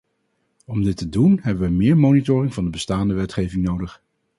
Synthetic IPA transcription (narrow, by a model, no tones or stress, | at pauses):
ɔmdɪtədunɦɛbəʋəmɪːɹmownitʊːrɪŋvɑndəbəstaːndəʋɛtχejvɪŋnowdəχ